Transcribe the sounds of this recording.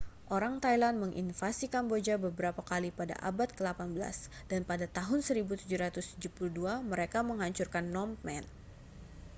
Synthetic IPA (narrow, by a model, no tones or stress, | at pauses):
ʔoɾaŋt̪ajlanməŋʔḭnfasikambod͡ʒabəbəɾapakalipada̰ʔa̰bat̪̚kəlapanbəla̰s | danpadat̪aɦʊnsəɾibut̪ud͡ʒuɾat̪ʊst̪ud͡ʒupuluduaməɾekaməŋɦaɲt͡ʃurkanːɔmmɛn